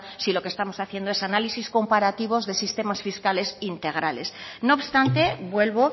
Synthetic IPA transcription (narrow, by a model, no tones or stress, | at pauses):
silo̞kest̪amo̞saθje̞nd̪oe̞sanalisisko̞mpaɾat̪iβ̞o̞zðe̞sist̪e̞masfiskale̞sint̪e̞ɣ̞ɾale̞sno̞ːpst̪ant̪e̞bwe̞lβo̞